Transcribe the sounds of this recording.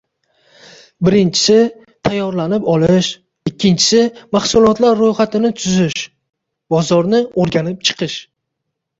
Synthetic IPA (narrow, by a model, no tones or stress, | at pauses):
bɪɾɪnt͡ʃʰɪ̥sɪ | t̪ʰajːɒɾlanɪpɒlɪʃ | ɪkʲːɪnt͡ʃʰɪ̥sɪmahsʊlˠɒt̪laɾːojχat̪ɪnɪt̪ʰʊzɪʃ | bɒzɒɾnɪoɾɡʲanɪp̚t͡ʃʰɨ̥qʰɨʃ